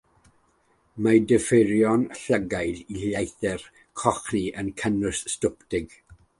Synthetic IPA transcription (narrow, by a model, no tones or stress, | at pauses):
madəfɪɾjɔnɬəɡajðilajθɛr | kʰɔχniʔənkʰənʊsstʊptɪɡ̥